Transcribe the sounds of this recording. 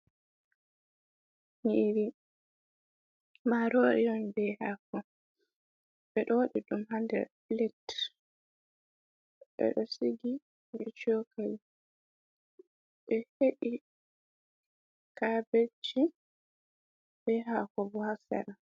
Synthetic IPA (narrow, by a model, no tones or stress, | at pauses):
niɾi | maɾoʔḭɔnbɛhaːkɔ | ɓɛɗɔwɗiɗumhandɛ̰ɾblɛt | ɓɛ̰ɗɔsiɡi | ɾɛt͡ʃokʰal | ɓɛheɗi | kabet͡ʃːi | b̥ɛɦakɔbɔhasɛ̰ɾa